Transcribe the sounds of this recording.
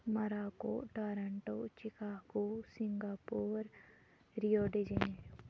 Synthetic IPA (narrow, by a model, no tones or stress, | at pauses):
mɐɾaːko̰ʈaɾɐɳʈoːt͡ʃikaːkosiŋɡaːpoːɾ | ɾijoːɖed͡ʒene